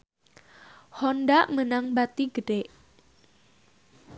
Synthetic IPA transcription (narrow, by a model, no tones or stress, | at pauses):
hɔndaʔmənaŋbat̪iɡəɖeʔ